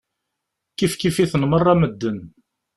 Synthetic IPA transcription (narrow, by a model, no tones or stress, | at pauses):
kifkifiθənmərˤːaməd̪ːən